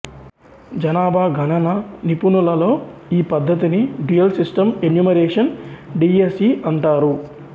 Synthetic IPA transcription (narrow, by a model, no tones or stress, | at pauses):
d͡ʒɐnaːbʱaːɡʱɐɳɐnɐnipunulɐlo̞ːiːpɐd̪ʱːɐt̪iniɖijɐlsisʈɐmenjuːmɐɾeːʂɐnɖiːesiːʔɐɳʈaːɾu